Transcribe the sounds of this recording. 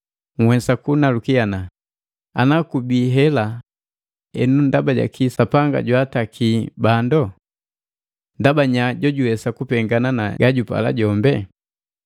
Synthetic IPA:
ŋwɛsakunalukiana | a̰nakubiɦɛla | ɛ̰nundabaɟa̰kisapaŋɡa̰ɟwatakʰibandɔ | ndabaɲaɟɔɟuwɛsakupɛŋɡananaɡaɟupa̰la̰ɟɔmbɛ

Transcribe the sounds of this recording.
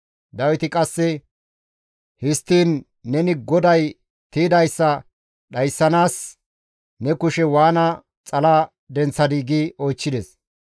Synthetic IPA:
d̪ɐwɪt̪ɪkʼɐsːɛ | hɪst̪ːiːnː | ɛnɪɡɔd̪ɐj | t̪iːd̪ɐjsːɐ | ɗɐjsːɐnaːs | nɛkʊʃɛwaːnɐ | t͡sʼɐla | d̪ɛnt͡sːɐd̪iːɡiːɔjt͡ʃːɪd̪ɛs

